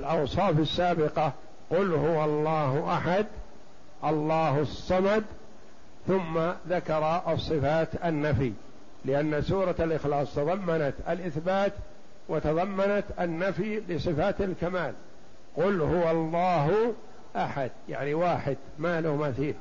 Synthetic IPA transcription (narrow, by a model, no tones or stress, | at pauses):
lʔɑwsˤɑːfasːaːbɪqɑ | qʊlhʊwalˤːɑːɦʔaħad̪ | ʔɑlˤːɑːhʊsˤːɑmɑd̪ | θʊmːaðakɑɾˤɑʔɑsˤːɨfaːt̪anːafi | lɪʔanːasuːɾˤɑalʔɪxlɑːsˤt̪ɑðˤɑmːanat̪alʔɪθbaːt̪ | wat̪ɑðˤɑmːanat̪anːafilɪsˤɨfaːt̪alkamaːl | qʊlhʊwɑlˤːɑːɦ | ʔaħad̪̚ja̰ʕniwaːħɪd̪maːlʊhmaθiːl